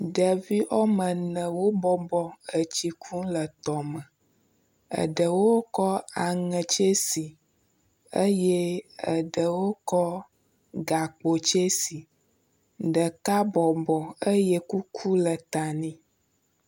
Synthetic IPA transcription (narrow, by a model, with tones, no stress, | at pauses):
ɖə˨vi˦ʔɔ˦mə̃˨nə̃˨wo˦bɔ˦bɔ˨ə˨t͡ɕi˦kʰu˦lə˨t̪ɔ˨mə̃˨ | ə̰˨ɖə˨wo˦kɔ˦a˨ŋə̃˨t͡ʃe˦si˨ | ə˦jɛ˦ə˨ɖə˨wo˦kɔ˦ | ɡa˨k͡po˨t͡ʃe˦si˨ | ɖə˨ka˦bɔ˨bɔ˨ə˦jɛ˦ku˦kʰu˦lə˨t̪a˨nĩ˦